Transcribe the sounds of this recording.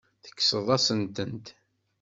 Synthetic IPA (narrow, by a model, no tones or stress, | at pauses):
θə̥kːsəðˤɑsənt̪ənt̪